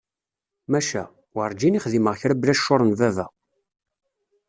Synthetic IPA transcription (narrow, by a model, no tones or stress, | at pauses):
mæʃæ̰ | wəɾˤd͡ʒiniχðiməʁçɾəblæʃːʊɾˤənvævæ̰